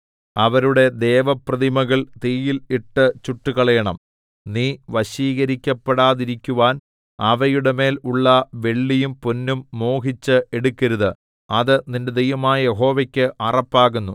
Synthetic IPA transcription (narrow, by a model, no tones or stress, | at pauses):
ɐʋɐɾuɽe̞d̪e̞ːʋɐprɐðimɐɣɐɭt̪iːjiliʈːɨt͡ɕuʈːuɣɐɭɐjɐɳɐm | niːʋɐɕiːɣɐɾikʲːɐpːeɽaːðiɾikʲːuʋaːn | ɐʋɐjuɽeme̞ːluɭːɐʋe̞ɭːijumponːumːo̞ːhit͡ɕːɨeɽukʲːɐɾuðɨ | ɐðɨninde̞d̪ejʋɐmaːjɐjeɦo̞ːʋɐkʲːɨʔɐrɐpːaːɣunːu